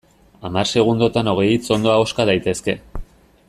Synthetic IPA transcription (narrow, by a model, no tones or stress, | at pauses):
amarse̞ɣ̞und̪o̞t̪ano̞ɣ̞e̞jit͡so̞nd̪o̞aoskað̞ajt̪e̞ske̞